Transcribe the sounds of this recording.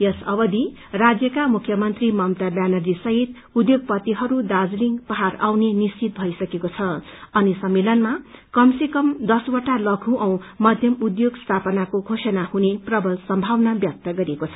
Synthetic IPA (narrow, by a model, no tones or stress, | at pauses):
jʌsʌbʌd̪i | rad͡zjʌkamukʰːjʌmʌnt̪rimʌmt̪abjanʌrd͡zisʌɦit̪ | ud̪joɡ̚pʌt̪iɦʌɾud̪ad͡zliŋɡpʌɦarawnenist͡sit̪̚bʱʌisʌkekot͡sʰʌʌnisʌmːelʌnmakʌmsekʌmd̪ʌswʌʈalʌɡʰʱũʔʌw̃mʌd̪ʱjʌmud̪joɡst̪ʰapʌnakoɡʱosʌnahuneprʌbʱʌlsʌmbʱawnabjʌk̚t̪ʌɡʌɾiekot͡sʰʌ̥